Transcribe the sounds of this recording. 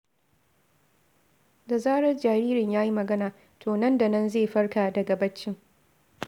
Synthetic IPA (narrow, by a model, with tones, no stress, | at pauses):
da˨zaː˦ɽɐ˦rd͡ʒaː˨ɾiː˦ɾɪ˨ɲjaː˦ji˦mɐ˨ɡɐ˦naː˨ | tʰoː˨nɐ˦nda˨nɐ˦nzeː˦˨ɸɐ˦ɽkaː˨dɐ˨ɡa˨bɐ˦t͡ʃːɪ˦ŋ